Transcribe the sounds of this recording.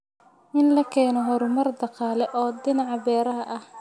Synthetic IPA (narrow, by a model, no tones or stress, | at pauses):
ʔɪnlɐkʰɛːnɔɦɔɾʊmɐrd̪ɑqɑːlɛʔɔːd̪ɪnɑʕɑbɛːɾɐɦɐʔɐh